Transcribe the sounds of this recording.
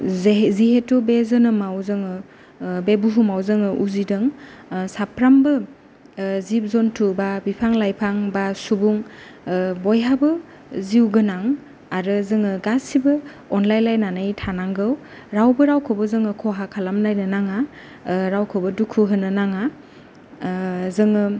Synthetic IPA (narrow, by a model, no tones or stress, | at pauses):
zziɦetubezɯnɯmawzɯŋɯ | bebuɦumawzɯŋɯʔuzidɯŋsapʰɾambɯ | zip̚zɔntʰubabipʰaŋlajpʰaŋbasubuŋ | bɔjɦabɯ | ziwɡɯnaŋ | aɾɯzɯŋɯɡasibɯ | ɔnlajlajnanɯjtʰanaŋɡɯw | ɾawbɯɾawkʰɔbɯzɯŋɯkʰɔɦakʰalamnajnɯnaŋa | ɾawkʰobɯdukʰuɦɯnɯnaŋa | zɯŋɯ